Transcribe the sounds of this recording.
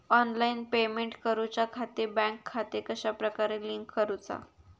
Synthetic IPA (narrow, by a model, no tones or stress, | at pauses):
ɔnlainpemeɳʈkəɾut͡ɕakʰat̪ebɛ̃ŋkʰːat̪ekəɕapɾəkaɾeliŋkːəɾut͡sa̰